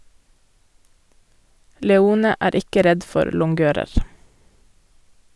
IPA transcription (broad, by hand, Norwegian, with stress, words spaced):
lɛˈuːnə ˈæːɾ ˈɪkə ˈɾɛd ˈfɔɾ lʊŋˈɡøːɾəɾ